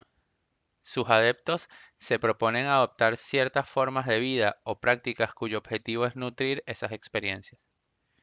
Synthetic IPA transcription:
susað̞e̞p̚t̪o̞sːe̞pɾo̞po̞ne̞ŋaðo̞p̚t̪aɾsje̞ɾt̪asfo̞ɾmazðe̞β̞iðao̞pɾak̚t̪ikaskuʝo̞ːb̥xe̞t̪iβo̞e̞znut̪ɾiɾe̞sase̞kspe̞ɾje̞nsjas

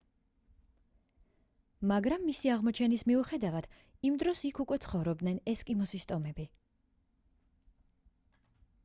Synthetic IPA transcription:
maɡɾamːisiaʁmɔt͡ʃʰɛnismiuχɛd̪avad̪̥ | imd̪ɾɔsikʰukʼwɛt̪sʰχɔvɾɔb̚d̪nɛnɛskʼimɔsist̪ʼɔmɛbi

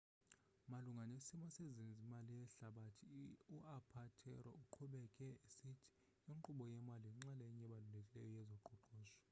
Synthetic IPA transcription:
maluŋɡʱanesimɔsezinzimalijɛɬaɓatʰiuapʰatʰɛ̰ɾɔuǃʰuɓɛkʼɛesitʰi̥ | iŋǃuɓɔjɛmaliŋ͡ǁalɛɲɛɓalulekʼilɛjɔjɛzɔǃuǃɔːzɔ

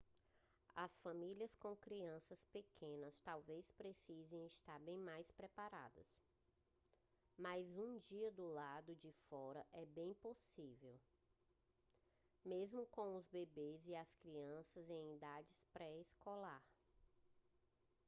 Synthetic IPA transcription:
ɐsfɐ̃miliɐskõkɾiɐ̃sɐspekʰẽnɐst̪awvespɾesizẽj̃ist̪aɾbẽj̃majspɾɛpaɾa̰d̪ɐs | majzũd͡ʒiɐd̪ʊlad̪ʊd͡ʒɪfɔɾɐʔɛbẽj̃posivew | mezmʊkõw̃ʊzbebeziɐskɾiɐ̃sɐzẽj̃id̪ad͡ʒɪspɾɛeskolaɾ

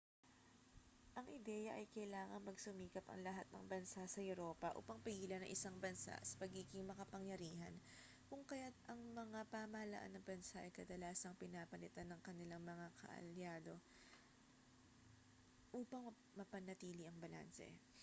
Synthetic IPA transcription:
ʔɐŋʔɪd̪ɛjɐʔɐjkɐjlaːŋɐŋmɐɡsʊmiːkɐpɐ̰ŋlɐɦat̪̚nɐ̰ŋbɐnsasɐjʊɾo̞ːpɐʔṵːpɐŋpɪɡiːlɐnɐ̰ŋʔɪsaŋbɐnsa̰sɐ̥pɐɡiːɡɪŋmɐkɐpɐŋjɐɾiːɦɐn | kʊŋkɐjat̪̚ʔɐŋmɐŋapamɐhɐlɐ̰ʔa̰nːɐŋbɐnsaʔɐjkɐd̪ɐlaːsɐŋpɪnapɐlɪt̪anːɐŋkɐnɪlaŋmɐŋakʰɐ̰ʔɐ̰ljaːd̪o̞ | ʔuːpɐŋ | mɐpɐnɐt̪iːliɐŋbɐla̰nsɛ̰

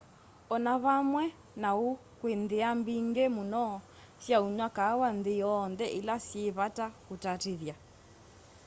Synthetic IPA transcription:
ɔnaβamwɛ | nau | kwend̪iambiŋɡɛmunɔ | sjauɲwakaːwandijɔndɛʔilasjeβatakutatiðja

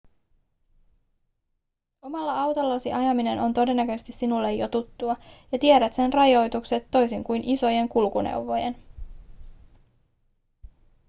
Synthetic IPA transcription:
o̞mɑlːɑɑwt̪olːɑsiʔɑjɑmine̞nʔo̞nt̪o̞de̞nːækøst̪isːinulːe̞jjo̞t̪ut̪ːuɑjɑt̪ieɾæt̪se̞nrɑjo̞jt̪ukse̞t̪ːo̞jsiŋkujnʔiso̞je̞ŋkulkunḛwʋo̞jḛn

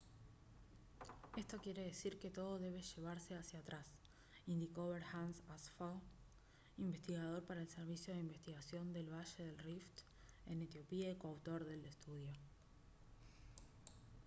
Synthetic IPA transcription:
est̪o̞kje̞ɾe̞ðesiɾke̞t̪o̞ðo̞ðe̞β̞e̞ʃe̞β̞aɾse̞asjat̪ɾas | ind̪iko̞βeɾxansasfo | imbe̞st̪iɣað̞o̞ɾpaɾaelseɾβ̞isjo̞ð̞eimbest̪iɣasjo̞nd̪e̞lβaʃe̞ðelrift̪ | enet̪jo̞piekoawt̪o̞ɾðe̞lest̪uðjo̞

